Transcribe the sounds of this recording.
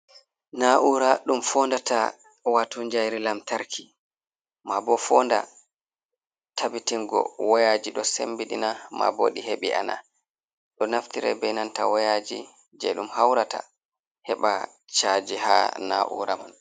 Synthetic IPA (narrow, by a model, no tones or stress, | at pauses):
naʔuɾaɗumfɔndata | watuɲd͡ʒajɾilamtaɾkʰi | mabɔfɔnda̰ | tʰabitiŋɡɔ̰wɔjad͡ʒiɗɔsḛmbiɗinama̰bo̰ɗiheɓiʔana̰ | ɗɔnaftiɾɛ̰bɛjnanta̰wajad͡ʒi | d͡ʒɛ̰ɗumhawɾata̰ | hɛɓa | t͡ʃad͡ʒiha̰na̰ʔṵɾaman